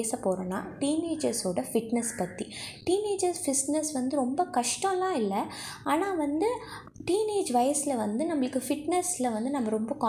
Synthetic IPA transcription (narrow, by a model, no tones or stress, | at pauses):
sɐpoːɾɐna̰ːʈiːneːd͡ʒɐɾsoːɽɐfɪʈnɛspɐt̪ːiʈiːneːd͡ʒɐɾsfɪsnɛsʋɐnd̪ɯɾɔmbɐkɐʂʈɔ̃lãːɪlːɐ | aːnaːʋɐnd̪ɯ | ʈiːneːd͡ʒʋɐjɐsɪlɐʋɐnd̪ɯnɐmːɐɭɯkːɯfɪʈnɛslɐʋɐnd̪ɯnɐmːɐɾɔmbɐkaː